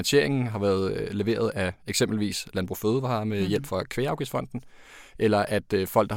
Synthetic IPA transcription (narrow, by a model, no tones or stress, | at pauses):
ænɕʰe̝ɐ̰e̝ŋn̩ɦɑ̈ʋæːɐð̞ˠle̝ʋe̝̰ːɐð̞ˠæeɡ̥semb̥l̩ʋḭːslænb̥ʁṵføːð̞ˠʋɑ̈mejel̰b̥fɒ̽kʰʋe̝ːɑ̈ʊɡ̥ifsfɒ̽n̰d̥n̩ | ʔelɐʔæd̥fɒl̰ɡ̥̚